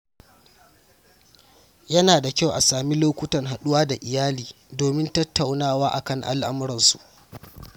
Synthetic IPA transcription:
jɐ˦naː˨da˨kʲa˦˨wʔa˨saː˨mi˦loː˦kʷʊ˦tɐ˨ŋɦa˨ɗʊ˦waː˦da˨ʔɪ˨jaː˦liː˨ | doː˨mɪ˦ntɐ˦tːa˨wnaː˦waː˦ʔa̰˨kɐ˦˨ŋʔa̰˦lʔa̰˦m˦ɾɐ˨nsṵ˨ʔ

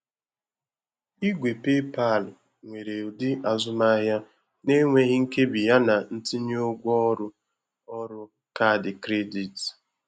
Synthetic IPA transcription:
i˦ɡʷe˨pe˦pa˦˨lʊ˨ | ŋʷe˨ɾe˨u˨dɪ˦ʔa˨zʊ˦ma˦ɦja˦ | ne˦ŋʷe˦ɣɪ˦ŋ̩˦ke˦bi˨ja˦na˨n̩˦tɪ˦ɲi˦o˦ɡʷɔ˦ɾʊ˦ | ɔ˦ɾʊ˦ | ka˦˨dɪ˨kɾe˦di˨t

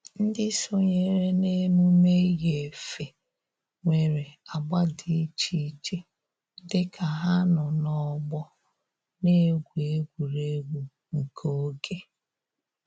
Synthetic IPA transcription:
n̩˦dɪ˦so˦ɲe˨ɾe˦ne˦mu˦me˦ɣe˨fe˨ | ŋʷe˨ɾe˨a˨ɡ͡ba˦di˨˦t͡ʃi˦t͡ʃe˦ | dɪ˦kʰa˨ɦa˦nɔ˨nɔ˦ɡ͡bɔ˦ | ne˦ɡʷu˨e˦ɡʷu˨ɾe˦ɡʷu˨ | ŋ̩˨kʰo˦ɡe˦

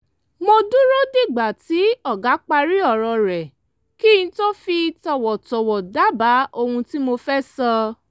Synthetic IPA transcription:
mo˧du˦ɾo˦di˦˨ɡ͡ba˨ti˨˦ɔ˦˨ɡa˨˦k͡pa˧ɾi˦ɔ˦˨ɾɔ˧ɾɛ˨ | ki˦˨ĩ˧˦to˦fi˧tɔ˧˨wɔ˨tɔ˨wɔ˨da˨˦ba˨˦o˧hũ˧ti˦mo˧fɛ˦sɔ˧

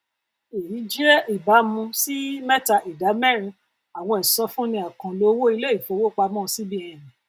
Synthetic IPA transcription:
e˨ji˨˦d͡ʒi˦ɛ˦ʔi˨ba˨˦mũ˧si˦mɛ˦ta˧ʔi˨da˨˦mɛ˦˨ɾ̃ĩ˧ | a˨w̃ɔ̃˧i˨sɔ̃˧fũ˦nĩ˧a˨kã˨lo˦wo˦i˧le˦i˦˨fo˨˧˦wo˦k͡pa˧mɔ̃˦˧si˦bi˦ɛ˨nĩ˨

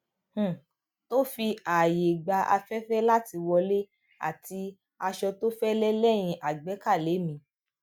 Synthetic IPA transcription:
h̩˨ | to˦fi˧a˨je˨ɡ͡ba˧ʔa̰˧fɛ˦fɛ˦la˦ti˧wɔ˧le˦ | a̰˦˨ti˧ | a˧ʃɔ˧to˦fɛ˦lɛ˦lɛ˦˨j̃ĩ˧ʔa˨ɡ͡bɛ˨˦ka˦˨le˨˦mĩ˧˦

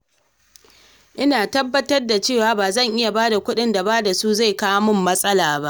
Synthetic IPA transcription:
ʔɪ˦naː˨tɐ˦bːɐ˦tɐ˦rda˨t͡ʃeː˦˨waː˦baː˨zɐ˦˨ŋʔɪ˦ja˨ba˦da˨kʷʊ˦ɗɪ˦nda˨baː˦da˨su˦za˦˨jkaː˦mʊ˨mːɐ˦sʼɐ˦laː˨ba˦ʔ

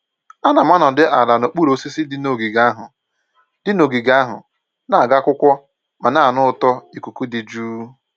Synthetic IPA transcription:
a˦na˨ma˦nɔ˨dɪ˦ʔa˨la˨no˨k͡pu˦ɾo˨˦si˦si˦dɪ˦no˨ɡi˨ɡa˦ɦʊ˨ | d̥ɪ˦no˨ɡi˨ɡa˦ɦʊ̰˨ | na˦˨a˨ɡa˦kʷʊ˦kʷɔ˦ | ma˨na˦˨a˨nʊ˦˨tɔ˦i˨ku˨ku˦dɪ˨d͡ʒuː˦

